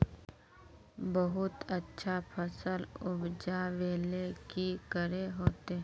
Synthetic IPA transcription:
bəɦʊt̪ətːʃʰapʰəsəlʊbd͡ʒaʋeːlekikəɾeɦoːt̪e

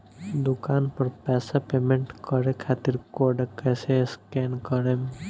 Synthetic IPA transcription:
d̪ʊkaːnpəɾpɛːsapeːmẽɳʈkəɾekʰaːt̪iɾkoːɖekɛːseskeːnkəɾem

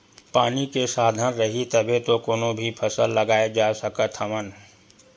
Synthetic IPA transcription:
paːnikesaːd̪ʱənɾəɦit̪əbʱet̪okoːnõbʱipʰəsəlːɐɡaːed͡ʒaːsəkət̪ʰhəmən

